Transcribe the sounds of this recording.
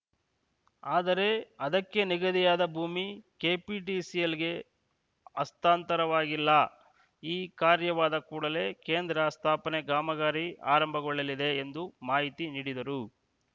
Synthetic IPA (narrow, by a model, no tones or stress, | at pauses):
aːd̪ɐɾe̞ɐd̪ɐkːe̞niɡɐd̪ijaːd̪ɐbʱuːmikeːpiʈisijɐliɡe̞ | ɐst̪aːnt̪ɐɾɐʋaːɡilːɐ | iːkaːɾjɐʋaːd̪ɐkuːɽɐle̞ːkeːnd̪ɾɐst̪ʰaːpɐneɡaːmɐɡaːɾia̰ːɾɐmbʱɐɡoɭːɐlid̪e̞ːnd̪umaːɦit̪iniːɽid̪ɐɾu